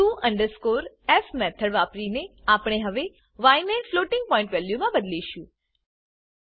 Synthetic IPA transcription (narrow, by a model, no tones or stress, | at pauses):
uːʔə̃ɳɖəɾskoːɾ | ɛfmɛːt̪ʰəɽʋaːpɾineaːpɽ̃eɦɐʋe | ʋaːɪneʈfloːʈɪ̃ŋɡ̚pɔ̃ɪ̃ɳʈʋeːljumãbəd̪liʃũː